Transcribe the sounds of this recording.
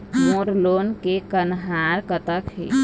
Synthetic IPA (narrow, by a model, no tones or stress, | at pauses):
moːɾloːnkekənɦaːɾkət̪əkhḛː